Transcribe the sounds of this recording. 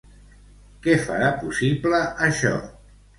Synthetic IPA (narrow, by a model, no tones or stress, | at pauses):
kɛfə̰ɾapusipləəʃɔ̰